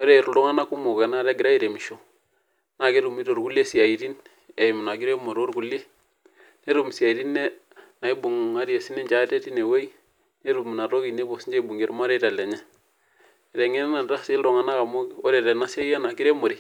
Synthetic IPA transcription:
o˦ɾe˨ɾɾɔ˦ŋa˦na˦ku˦mo˨ke˨na˦ɾe˦ɡɪ˨ɾa˦e˨ɾe˨mi˨ʃo˨ | na˨ke˦ɾu˨mi˦ɾo˨ɾku˦le˦si˨a˨i˨ɾi˦n | e˨m˨na˨ɡi˦ɾe˦mo˨ɾo˦ɾɡu˨le˦ | ne˦ɾu˨m˨sja˨i˨ɾi˦nːe˦ | na˨i˦bu˨ŋa˦ɾi˦e˨si˦ne˦ɲd͡ʒa˨˦te˦ti˦ne˨we˦i˦ | ne˦ɾu˨m˨na˨ɾo˦ki˨ne˦bo˨si˦ɲd͡ʒe˦i˦bu˨ŋe˦ɾma˦ɾe˦ta˨le˨ɲɛ˦ | e˨ɾe˨ŋe˦n˦na˨nɾa˦si˦lɾɔ˨ŋa˦na˦ka˨mo˦o˦ɾe˨ɾe˨na˦sa˦a˦na˨ɡi˦ɾe˦mo˨ɾi˦

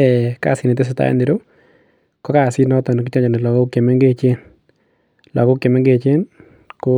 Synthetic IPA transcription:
ɛ˨ka̰˦˨sɪ˦ne˨t̪e˦s̬o˨t̪a̰˦ɛ̰˦ndɪ˨ɾo˦ | kɔ˦ka˦˨sɪ˦nɔ˦t̪ɔ˨n˨kɪ˦t͡ʃɔ˦ɲɔ˨nɪ˨lɔ˨ɡɔ˦ke˨me˦ŋɡe˦t͡ʃe˦n | lɔ˨ɡɔ˦ke˨me˦ŋɡe˦˨t͡ʃe˦n | ko˦

